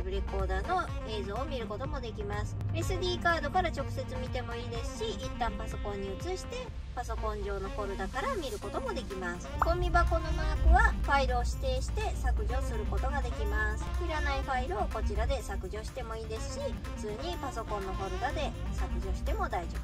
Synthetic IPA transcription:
bɯ̟ɾe̞ko̞ːd̪ano̞ | e̞ːzo̞ːmʲiɾɯ̟ko̞t̪o̞mo̞d̪e̞kʲimasɨ̥e̞sɨd̪ʲiːkaːd̪o̞kaɾat͡ɕo̞kɯ̟se̞t͡sɨmʲit̪e̞mo̞iːd̪e̞sɨ̥ɕiit̪ːãmpaso̞kõ̞ɲ̟ːiɯ̟t͡sɨɕi̥t̪e̞ | paso̞kõ̞ɲ̟d͡ʑo̞ːno̞ko̞ɾɯ̟d̪akaɾamʲiɾɯ̟ko̞t̪o̞mo̞d̪e̞kʲimasɨ̥kõ̞mːʲibako̞no̞maːkɯ̟βaɸaiɾɯoɕi̥t̪e̞ːɕi̥t̪e̞sakɯ̟ʑo̞ːsɨɾɯ̟ko̞t̪o̞ɡad̪e̞kʲimasɨ̥hiɾanaiɸaiɾɯ̟oko̞t͡ɕiɾad̪e̞sakɯ̟ʑo̞ːɕi̥t̪e̞mo̞iːd̪e̞sɨ̥ɕiɸɯ̟t͡sɨːɲ̟ipaso̞kõ̞nːo̞ko̞ɾɯ̟ɡ̪ad̪e̞sakɯ̟ʑo̞ːɕi̥t̪e̞mo̞d̪aiʑobɯ

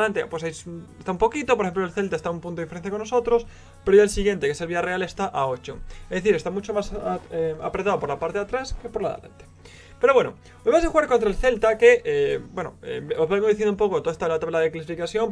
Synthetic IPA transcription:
ant̪epwesajsest̪aumpo̞kit̪opoɾexemplolθe̞lt̪aest̪aumpunt̪oifeɾenθjako̞nːosot̪ɾos | peɾoʝaelsiɣje̞nt̪ekeseβiareale̞st̪aʔaot͡ʃoŋezðeθiɾet̪amut͡ʃomas | apɾet̪aðopo̞ɾlapaɾt̪eat̪ɾaskepoɾla̰ðḛla̰nt̪e̥ | pe̞ɾowe̞no | meβasaxuɣaɾkont̪ɾaelθe̞lt̪akeebwe̞noḛozβamoðiθjenump̬o̞kot̪oest̪aβelat̪aβelaðeklasifikasθjo̞mp

